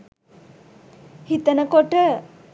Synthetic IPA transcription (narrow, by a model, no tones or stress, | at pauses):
hit̪ənəkoʈə